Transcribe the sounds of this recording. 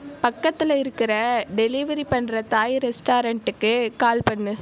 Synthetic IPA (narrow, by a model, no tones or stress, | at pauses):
pɐkːɐt̪ːɪlɐɪɾɯkːɪɾɐɖɛliʋɐɾipɐɳːɾɐt̪aːjɪɾɛsʈaːɾɐɳʈɯkːɯkaːlpɐɳːɯ